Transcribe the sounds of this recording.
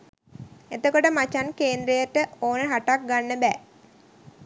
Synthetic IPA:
et̪okoʈəmat͡ʃankeːnd̪ɾəjəʈəʔoːnəɦaʈak̚ɡanːəbɛ

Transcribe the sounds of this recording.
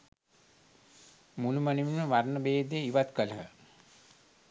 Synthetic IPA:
muluməniminməʋarnəbeːd̪eiʋat̪kələɦə

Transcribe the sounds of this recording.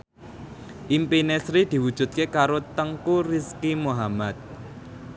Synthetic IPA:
ʔimpinɛsɾid̪̥i̤wud̥ʒ̥ṳt̪̚kekaɾot̪əŋkuriskimoɦamat̪̚

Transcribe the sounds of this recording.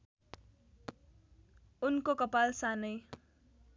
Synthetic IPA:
unkokʌpalsanʌj

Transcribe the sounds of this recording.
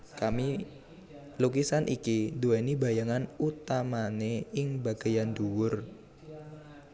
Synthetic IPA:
kami | lukisanʔḭkid̪uenibajaŋanut̪amaneɪŋbaɡ̥ajand̪uwʊr

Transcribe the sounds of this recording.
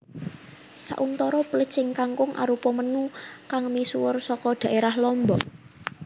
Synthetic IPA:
sa̰ʔunt̪ɔɾɔpələ̥t͡ʃɪŋkaŋkʊŋʔa̰ɾupɔmənukaŋmisuwʊrsɔkɔd̪̥ä̤ʔeɾahlɔmbɔ

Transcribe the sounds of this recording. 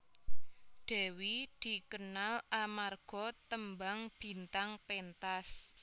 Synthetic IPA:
ɖ̪̥ɛ̤wid̪̥i̤kənalʔamarɡ̥ɔ̤t̪əmbaŋb̥i̤nt̪aŋpent̪as

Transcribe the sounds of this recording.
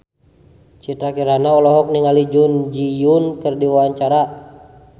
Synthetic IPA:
t͡ʃit̪ɾakiɾanaɔlɔɦɔk̚niŋalid͡ʒund͡ʒijunkɨrdiwawaɲt͡ʃaɾa

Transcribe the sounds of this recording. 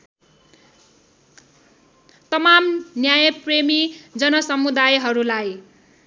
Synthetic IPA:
t̪ʌmamnjajʌpremid͡zʌnʌsʌmud̪ajɦʌɾulaj

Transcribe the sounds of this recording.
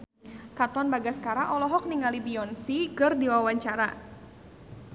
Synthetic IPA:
kat̪ɔnbaɡaskaɾaʔɔlɔɦɔk̚niŋalibiɔnsikɨrdiwawaɲt͡ʃaɾa̰

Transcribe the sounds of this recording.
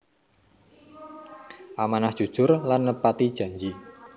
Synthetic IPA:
ʔamanahd̥ʒ̥ṳd̥ʒ̥ʊrlanːəpat̪id̥ʒ̥ä̤ɲd͡ʒi

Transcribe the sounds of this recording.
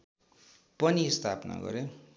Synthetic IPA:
pʌnist̪ʰapna̰ɡʌ̰ɾe

